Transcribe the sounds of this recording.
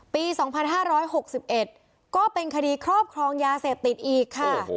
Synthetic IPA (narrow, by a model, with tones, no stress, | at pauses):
piː˧sɔː˩˦ŋpʰa˧nɦaː˥˩ɾɔː˦˥jho˨˩k̚si˨˩p̚ʔe˨˩t̪̚ | kɔː˥˩pe˧nkʰa˧diː˧kʰɾɔː˥˩p̚kʰɾɔː˧ŋjaː˧seː˨˩p̚t̪i˨˩t̪̚ʔiː˨˩kʰːa˥˩